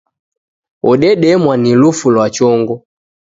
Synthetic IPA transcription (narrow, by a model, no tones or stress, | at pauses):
ɔɗɛɗɛmwanilufulwat͡ʃɔŋɡɔ